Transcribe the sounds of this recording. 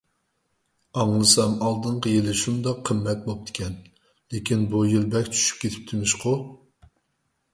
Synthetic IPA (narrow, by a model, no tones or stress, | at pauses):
ɑŋlˠɨsɑmɑlˠd̪ɨɴqʰəjelɪʃund̪ɑqʰːəmːɛt̪̚bop̚t̪ʰɪ̥kʲʰɛn | lekʲinbujilbɛkʲt͡ʃʰy̥ʃy̥p̚kʲʰet̪ʰɪ̥p̚t̪ʰɪmɪʃqʊ